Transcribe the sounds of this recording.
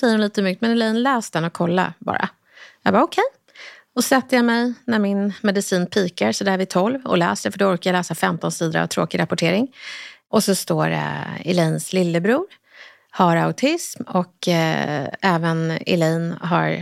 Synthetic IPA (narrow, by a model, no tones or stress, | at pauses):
sɛjəɾʊnliːt̪əmʏk̚t̪mɛnɪlɛjnlɛːsd̪ɛnɔkʰːɔlːa̰bɑ̰ːɾʔa̰ | jɑ̰ɡbaɾɔkʰɛj | ɔsɛt̪ːəjamɛjnæɾmɪnmɛd̪ɪsiːnpʰiːkaɾsɔd̪ɛæɾvɪt̪ʰɔlvɔ̰lɛ̰ːsɖ̪ɛfœɖɔɔɾkajalɛːsafɛmt̪ɔnsiːd̪əɾa̰vt̪ʰɾo̰ːkɪɾapʊʈʰeːɾɪŋʔɔsɔst̪oːɾ̰ɪ̰lɛjnslɪlːəbɾuːɾ | haɾa̰ʊt̪ʰɪsmɔk | ɛːvənɪ̰lɛjnɦa̰ɾ